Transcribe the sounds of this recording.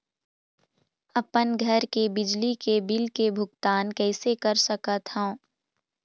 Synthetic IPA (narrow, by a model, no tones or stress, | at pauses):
ɐpənɡʱəɾkebɪd͡ʒlikebɪlkebʱʊɡt̪aːnkɛːsekɐɾsɐkət̪ɦə̃